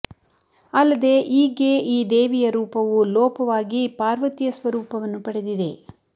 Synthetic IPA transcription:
ɐlːɐd̪e̞ːʔiːɡe̞ʔiːd̪eːʋijɐɾuːpɐʋulɔːpɐʋaːɡipaːɾʋɐt̪ijɐsʋɐɾuːpɐʋɐnːupɐɽe̞d̪id̪e̞

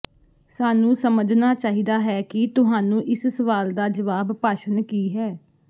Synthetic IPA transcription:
saːnũːsəməd͡ʒnaːt͡ʃaːɦiːd̪aːɦɛːkɪt̪ʊɦaːnũːʔɪssəʋaːld̪aːd͡ʒəʋaːbpaːʃənkiːɦɛː

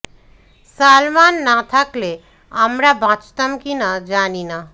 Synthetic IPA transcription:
salmanːat̪ʰakle | amɾabʱãt͡ʃt̪əmkinad͡ʒanina

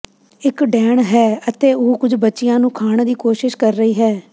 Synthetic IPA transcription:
ɪkɖɛːɳɦɛːət̪eːʊkʊd͡ʒbətːt͡ʃːɪjãːnũːkʰaːɳd̪iːkoːʃɪʃkəɾːəiːɦɛː

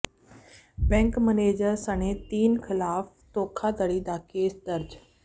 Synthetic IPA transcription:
bɛ̃ːŋkməneːd͡ʒəɾsəñeːt̪iːnkʰɪlaːf | t̪oːkʰaːd̪əɽiːd̪aːkeːsd̪əɾd͡ʒ

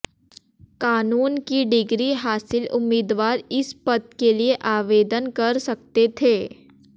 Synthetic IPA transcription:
kaːnuːnkiɖɪɡɾiɦaːsɪlʊmːiːd̪ʋaːɾɪspɐt̪̚kelieʔaːʋeːd̪ənkɐɾsɐkt̪et̪ʰeː

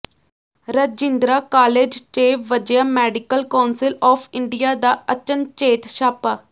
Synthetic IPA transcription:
ɾəd͡ʒɪnd̪ɾaːkaːleːd͡ʒt͡ʃeːʋəd͡ʒjaːmɛːɖɪkəlkaːnsɪlɔːpʰɪɳɖijaːd̪aːət͡ʃənt͡ʃeːt̪ʃaːpaː

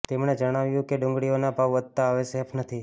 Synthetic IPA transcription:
t̪emɳed͡ʒəɽ̃aʋjũkeɖʊ̃ŋɡɽijonabʱaʋʋəd̪̚t̪aːʋesepʰnət̪ʰi

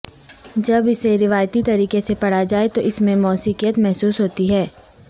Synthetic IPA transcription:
d͡ʒɐbɪseɾɪʋaːjt̪it̪ɐɾiːkesepɐɽ̤ad͡ʒaːet̪oʔɪsmẽmɔːsiːkijət̪mɛɦsuːsɦoːt̪iɦɛː

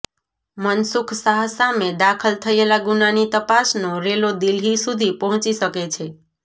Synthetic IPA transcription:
mənsukʰsaɦsamed̪akʰəlt̪ʰəelaɡunanit̪əpasnoɾelod̪ilɦisud̪ʱipəɦɔ̃t͡ʃiʃəket͡ʃʰe

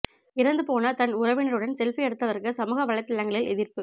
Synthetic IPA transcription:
ɪɾɐnd̪ɯpoːnɐt̪ɐnʊɾɐʋɪnɐɾɯɽɐnsɛlfɪɛɽɯt̪ːɐʋɐɾkɯsɐmuːɣɐʋɐɭɐɪt̪ːɪlːɐŋɡɐɭɪlɛðɪrpɯ

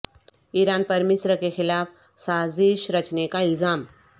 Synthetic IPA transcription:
iːɾaːnpɐɾmɪːsɾəkexɪlaːf | saːzɪʃɾɐt͡ʃnekaɪlzaːm

